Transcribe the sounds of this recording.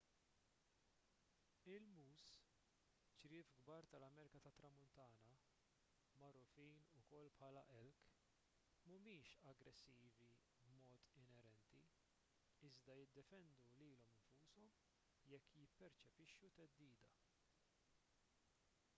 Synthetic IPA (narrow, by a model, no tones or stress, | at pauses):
ɪlmuːs | t͡ʃɾɪːfɡbɐːɾt̪ɐlɐmɛːɾɪkɐt̪ɐt̪ːɾɐmʊnt̪ɐːnɐ | mɐrːʊfiːnʊkɔlːpħɐːlɐʔɛlk | mʊmiːʃɐɡɾɛsːiːvi | bmɔːt̪ɪnɛɾɛnt̪i | ɪzd̪ɐjɪd̪ːɛfɛnd̪uliːlɔmɪɱfuːsɔm | jɛkːjɪpːɛɾt͡ʃɛpɪʃːut̪ɛd̪ːiːd̪ɐ